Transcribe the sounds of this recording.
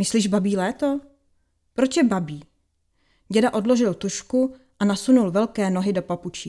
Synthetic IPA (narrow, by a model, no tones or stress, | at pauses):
mɪsliːʒbabiːlɛːt̪o | pɾot͡ʃjɛbabiː | ɟɛdaʔo̞dloʒɪlt̪uʃku | ʔanasunulvɛlkɛːnoɦɪdo̞paput͡ʃiː